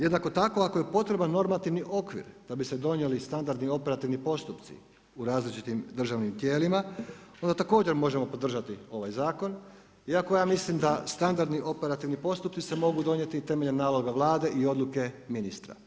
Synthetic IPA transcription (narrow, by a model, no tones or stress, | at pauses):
jed̪nako̞t̪ako̞akoje̞po̞t̪ɾe̞banːo̞ɾmat̪iʋniʔo̞kʋḭɾd̪̥abise̞d̪o̞nje̞list̪and̪aɾd̪nio̞pe̞ɾat̪iʋnipo̞st̪upt̪sḭ | uɾaːzlit͡ʃit̪imd̪r̩ʒaʋnimt̪je̞ːlimao̞nd̪at̪ako̞ːd͡ʑe̞ɾmo̞ʒemo̞po̞d̪r̩ʒat̪io̞ʋajzaːko̞n | iakojaːmislimd̪ast̪and̪aɾd̪niʔo̞pe̞ɾat̪iʋnipo̞st̪upt̪si̥se̞mo̞ɡud̪o̞nje̞t̪it̪e̞me̞ʎanːaːlo̞ɡaʋlˠaːd̪e̞ʔio̞d̪lˠuke̞ | minist̪ɾa̰